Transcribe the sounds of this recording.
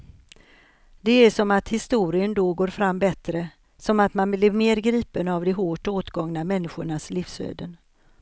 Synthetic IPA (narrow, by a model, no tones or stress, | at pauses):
d̪̥ɛæʂɔmat̪hɪst̪uːɾɪənd̪ɔɡoːɾfɾamːbɛt̪ɾə | sɔmat̪manblɪɾmeːɾɡɾiːpənavd̪ɛɦoːʈoːt̪ɡɔŋnamɛnːɪɧʊɳasliːfsø̰ːd̪ən